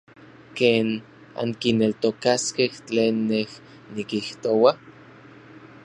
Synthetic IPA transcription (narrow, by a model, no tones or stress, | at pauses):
keːn | a̰ŋkinelt̪okaskeht͡ɬeːnːeh | nikiht̪owa